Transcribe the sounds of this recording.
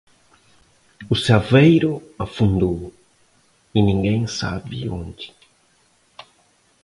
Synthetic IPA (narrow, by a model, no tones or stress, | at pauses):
ʊsavejɾʊafũnd̪ow | inĩŋɡẽj̃sa̰bɪ̰õ̰nd͡ʒɪ̥